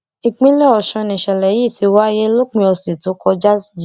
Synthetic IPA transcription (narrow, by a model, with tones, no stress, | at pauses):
i˨k͡pĩ˦lɛ˦ɔ˨ʃɔ̃˧nĩ˨ʃɛ˨lɛ˨ji˦˨ti˧wa˦je˦lo˦k͡pĩ˧ɔ˧se˨to˨˦kɔ˧d͡ʒa˦sji˨